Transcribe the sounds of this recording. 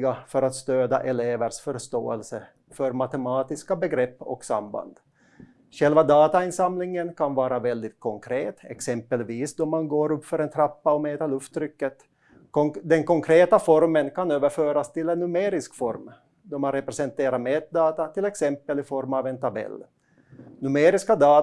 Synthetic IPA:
ɡafœɾat̪st̪øːd̪a̰ʔɛleːvəɾʂfœɾʂt̪o̰ːɛ̰lsə | fœɾmat̪ɛmɑːt̪ɪskabɛɡɾɛpːɔ̰ksa̰mba̰nd̪̥ | ɧɛlvad̪ɑːt̪aɪnsamlɪŋənkʰanvɑːɾavɛld̪ɪt̪̚kʰɔŋkʰɾeːt̪ɛ̰ksɛmpəlviːsd̪ɔmanɡoːɾɵpːfœɾɛnt̪ʰɾapːaɔmɛːt̪aɾɭɵft̪ːɾʏkːət̪ | d̪ɛnkɔŋkʰɾeːt̪afɔɾmənkʰanøːvəɾføːɾast̪ʰɪlɛnːɵmeːɾɪskfɔɾm | d̪ɔmanɾɛpɾɛsɛnt̪eːɾaɾmeːt̪̚d̪ɑːt̪at̪ʰɪlɛksɛmpəlɪfɔɾmavɛnt̪ʰabɛ̰lː | nʉmeːɾɪskad̪ɑː

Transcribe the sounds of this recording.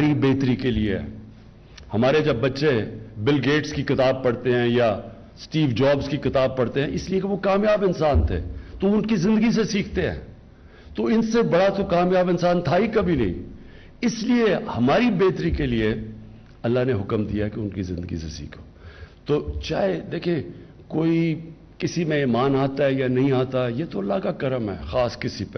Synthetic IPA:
ɾibeːt̪ɾikeliḛ | hɐmaːɾed͡ʒɐbːɐtːʃebɪlɡeːʈskixɪt̪aːb̚pɐɽt̪eɦɛ̃ja | sʈiːʋd͡ʒaːbzkixɪt̪aːb̚pɐɽt̪eɦɛ̃ʔɪsliekeʋokaːmjaːbɪnsaːnt̪ʰḛːt̪oʊnkizɪ̃nd̪əɡis̬esiːkʰt̪eɦɛ̰̃ː | t̪oɪnsebɐɽat̪okaːmjaːbɪnsaːnt̪ʰaikɐbʱinɐ̰ɦḭ̃ | ɪsliehɐmaːɾibeːt̪ɾikelie | ɐlːaɦneɦʊkəmd̪ijaɦɛkeʊnkizɪ̃nd̪əɡḭsḛsḭːkʰoːt̪oːt͡ʃa̰ːɦed̪eːkʰẽ | koːi | kɪsimẽiːmaːnaːt̪aɦɛjanɐɦĩaːt̪aɛjeːt̪oɐlːakakɐɾəmɦɛ̰ːxaːskɪsipe

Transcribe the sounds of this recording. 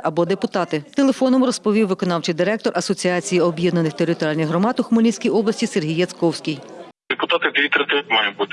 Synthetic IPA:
ɐbɔd̪epʊt̪ɑt̪ɪt̪elˠe̞fɔnɔmʊɾɔspɔʋʲiwːɪkɔnɑwt͡ʃɪjd̪ɪɾɛk̚t̪ɔrʔɐsɔt͡sʲiɑt͡sʲijiɔbʲjɛd̪nɐnɪxt̪eɾɪt̪ɔɾʲjalʲnɐjɦɾɔmɑt̪ʊxʊmɐlʲisʲkʲijɔblˠɐsʲtʲiserɦijːɐskɔwsʲkʲij | d̪̥epʊt̪ɑt̪ɪd̪ʋʲit̪ɾɪt̪ɪmɑjʊbut̪

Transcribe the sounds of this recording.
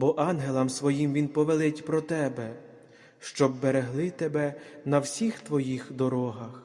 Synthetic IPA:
bɔʔɑnɦelˠɐmsʋɔjimʋʲinpɔʋelˠɪtʲpɾɔt̪ɛbɛ | ʃt͡ʃɔbːeɾeɦlˠɪt̪ebɛnɐwsʲixt̪ʋɔjixd̪ɔɾɔɦɐx

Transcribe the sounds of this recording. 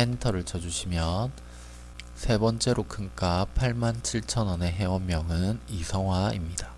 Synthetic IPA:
entʰʌɾɯɭt͡ɕʌd͡ʑuɕʰimjʌn | sʰe̞bʌnt͡ɕ͈e̞ɾokʰɯnk͈apʰaɭmant͡ɕʰiɭt͡ɕʰʌnʌne̞ɦe̞wʌmːjʌŋɯnisʰʌŋɦwaimɲida

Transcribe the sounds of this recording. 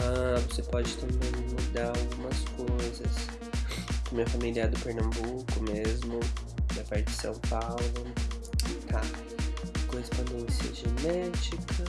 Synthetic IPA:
avosepɔd͡ʒɪt̪ɐ̃mbẽj̃mud̪aawɡũmɐskojzɐs | ɐmĩɲɐfamiliɐd̪ʊpeɾnɐ̃bukʊmezmʊd̪ɐpaɾt͡ʃɪd͡ʒɪ̥sɐ̰̃w̃pawlʊkɪt̪ʰa | kõhespõd̪ẽsiɐ̰ʒenɛt͡ʃikʰɐ

